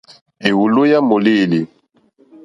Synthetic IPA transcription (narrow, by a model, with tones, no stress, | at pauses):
e˨wu˨lo˦ja˦mo˨li˦˨li˨